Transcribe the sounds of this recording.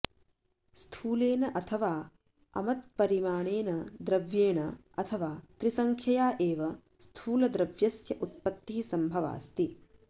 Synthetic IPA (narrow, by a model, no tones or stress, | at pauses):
st̪ʰuːleːnɐʔɐt̪ʰɐʋaː | ɐ̰mɐt̪̚pɐɾimaːɳeːnɐd̪ɾɐʋjeːɳɐ | ɐt̪ʰɐʋaːt̪ɾisɐŋkʰjɐjaːʔeːʋɐ | st̪ʰuːlɐd̪ɾɐʋjɐsjɐʔut̪̚pɐt̪ːiɦisɐmbʱɐʋa̰ːst̪i